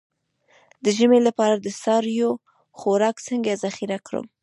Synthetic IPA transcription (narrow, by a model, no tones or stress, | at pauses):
d̪əʒəmelapɑɾad̪əsɑɾjo | xoɾɑksəŋɡazaxiɾakɾə̰m